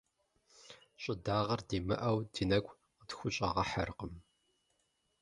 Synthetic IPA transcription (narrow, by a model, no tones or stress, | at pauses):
ɕʼɪdaːʁɐrdiːmɨ̰ʔɐwdinɐkʷʼ | qədxʷʊɕʼɐ̰ʁɐħɐ̰rqəm